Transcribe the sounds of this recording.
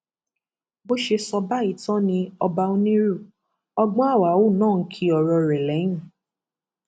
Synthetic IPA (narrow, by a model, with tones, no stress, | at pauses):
bo˦ʃe˧sɔ˧ba˦i˨tɔ̃˦nĩ˧ɔ˧ba˧o˦nĩ˦ɾu˦˨ | ɔ˧ɡ͡bɔ̃˦a˦˨wa˨˦o˦˨nãː˦˨n̩˨˦kʰi˧˦ɔ˨ɾɔ˧ɾɛ˨lɛ˨˦ĩ˦˨